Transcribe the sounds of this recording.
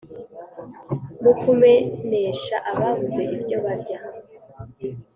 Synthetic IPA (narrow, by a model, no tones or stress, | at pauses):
mukʰume̞ɲe̞ʃaʔaβaβuze̞ʔibɟo̞βaɾɟa